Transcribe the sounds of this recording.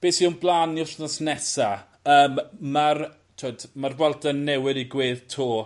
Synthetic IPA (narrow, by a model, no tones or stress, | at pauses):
b̥eːsiʊnblˠaːniʊɬnɔsnɛsa | əːmːar | tʰoːdmarvɔlˠdənːɛwɪdiɡweːðtʰuː